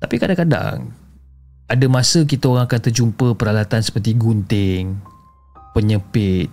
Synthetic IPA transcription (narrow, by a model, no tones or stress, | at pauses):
t̪apikadaŋkada̰ŋ | ʔadəmasək̬it̪aoɾaŋakant̪ərd͡ʒumpəpəɾalat̪ansə̥pərt̪iɡunt̪ɪŋ | pəɲəpɪt̪̚